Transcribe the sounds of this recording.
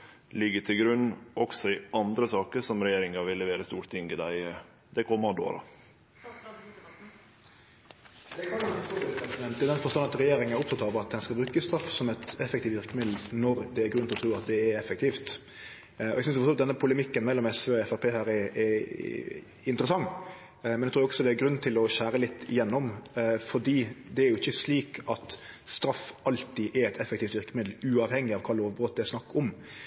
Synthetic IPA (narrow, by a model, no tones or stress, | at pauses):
lɪɡːəʈʰɪlɡɾʉnːʔɔksɔɪʔɑnd̪ɾəsɑːkəʂɔmɾɛjeːɾɪŋɑʋɪlːɛʋeːɾəst̪uːɾt̪ɪŋɡɪd̪æɪ | d̪ɛkʰɔmːəɔd̪o̰ːɾɑ̰ | d̪ɛkʰɑɑt̪ʰɾuːɛpʰɛnsɪd̪ɛnt̪d̪ɛd̪ɛnfɔɾst̪ɑnɑt̪ɾɛjeːɾɪŋənæɾɔp̚t̪ʰɑt̪ɑʋəɾɑt̪̚d̪ɛnskɑlbɾʉːkəst̪ɾɑfːsɔmɛt̪ɛfɛkt̪iːt̪ɪʁkəmɪd̪l̩nɔɾd̪ɛːɾɡʉnɔt̪ɾʉːɑt̪d̪ɛæɾɛfək̚t̪ʰiːft̪ | ɔ̰ɛɡsʏns̬fɔt̪ʰɔlt̪d̪ɛnːəpʰʊləmɪkːənmɛlːɔmɛsʋeːɔɛfɑɾpʰeːhɑːɾɛɛ | ɪnt̪əɾəsɑŋː | mɛnɛkt̪ʰɾuːɪɔksɔd̪ɛæɾɡɾʉnːt̪ʰɪlɔɕæːɾəlɪt̪ːɪjɛnːɔmfɔd̪iːd̪ɛæɾjʊɪçːəsliːkʰɑt̪st̪ɾɑfɑlt̪iʔɛɾɛt̪ʰɛfɛkt̪ʰiːft̪ʋɪɾkəmɪd̪l̩ʉːɑʋhɛŋːɪɑʋkʰɑːloːʋbɾɔt̪̚d̪ɛæsnɑkːɔm